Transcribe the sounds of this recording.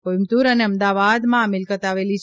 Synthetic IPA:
kojmt̪uɾəneəmd̪aʋad̪mãəmɪlkət̪aʋelit͡ʃʰ

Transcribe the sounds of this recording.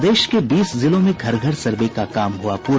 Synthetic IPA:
d̪eːʃkebiːszɪlõmẽɡʱɐɾɡʱəɾsɐɾbekakaːmɦuapuː

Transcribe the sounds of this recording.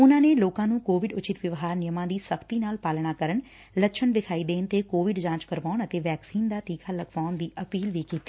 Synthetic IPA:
ʊnãːneːloːkãːnũːkoːʋɪɖʊt͡ʃɪt̪ʋjəʋɦaːɾnɪjəmãːd̪iːsəkʰt̪iːnaːlpaːlɳ̃aːkəɾəɳ | ləʃʰənʋɪkʰaːiːd̪eːnt̪eːkoːʋɪɖd͡ʒãːt͡ʃkəɾʋaːʊɳət̪eːʋɛːksiːnd̪aːt̪iːkʰaːləɡʋaːʊnd̪iːʔəpiːlʋiːkiːt̪iː

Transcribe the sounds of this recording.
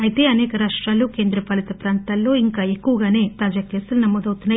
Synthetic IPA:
ɐjit̪e̞ːɐnɛːkɐɾaːʂʈɾaːluke̞ːnd̪ɾɐpɐlit̪ɐpɾaːnt̪ɐlːo̞ːiŋkaːekːuʋɐɡaːne̞ːt̪aːd͡ʒaːkeːsɐlunɐmːoːd̪ɐwt̪unːa

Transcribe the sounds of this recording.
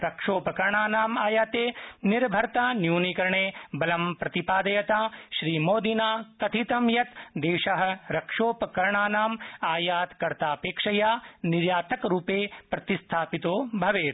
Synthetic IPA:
ɾɐkʂoːpɐkɐɾɳaːnaːmaːjaːt̪eːniɾbʱɐɾt̪aːnjuːnikɐɾɐɳeːbɐlɐmpɾɐt̪ipaːd̪ɐjɐt̪aːʃɾiːmoːd̪inaːk̪ɐt̪ʰit̪ɐmjɐt̪d̪eːʃɐɦɐ̆ɾɐkʂoːpɐkɐɾɳaːnaːmaːjaːt̪kɐɾt̪aːpeːkʂɐjaːniɾjaːt̪ɐkɾuːpeːpɾɐt̪ist̪ʰaːpit̪oːbʱɐʋeːt̪

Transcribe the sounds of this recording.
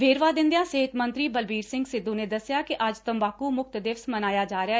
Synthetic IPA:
ʋeːɾʋaːd̪ɪ̃nd̪ejãːseɦɪt̪mə̃nt̪ɾiːbəlbiːɾsɪ̃ŋɡsɪd̪ːũːneːd̪əsɪjaːkiʔəd͡ʒt̪əmbaːkumʊk̚t̪d̪ɪʋsmənaːjaːd͡ʒaːɾɪa

